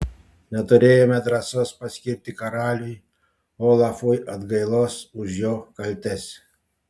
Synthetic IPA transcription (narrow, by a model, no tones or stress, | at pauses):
nʲɛt̪ʊɾʲeːjoːmʲɛd̪ɾɐsoːspɐsʲkʲɪɾʲp̚ʲt̪ʲɪkɐɾɑːlʲʊj | oːlˠɑfʊjʔɐd̪ɡɐɪlˠoːsʊʃjoːkɐlʲt̪ʲɛsʲ